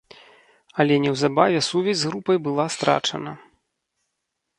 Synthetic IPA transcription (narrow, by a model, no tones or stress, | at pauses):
ɐlʲɛnʲɛwzabavʲɛsuvʲɛzʲzɣɾupɐjbɨlˠast̪ɾa̰t͡ʂɐ̰nɐ